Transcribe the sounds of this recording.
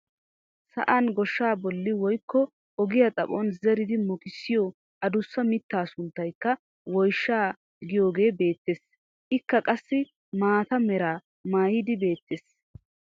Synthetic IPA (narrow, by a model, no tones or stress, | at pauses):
sɐ̰ʔɐnɡɔʃːaːbɔlːɪwɔjkːɔ | ʔɔɡɪjɐt͡sʼɐpɔnzɛɾɪd̪ɪmɔkɪsːɪjɔ | ʔɐd̪ʊsːɐmɪt̪ːaːsʊnt̪ːɐjkːɐ | wɔjʃːaː | ɡɪjo̞ːɡe̞ːbe̞ːt̪ːes | ʔɪkːɐkʼɐsːɪ | maːt̪ɐmɛɾaː | maːjɪd̪ɪbe̞ːt̪ːes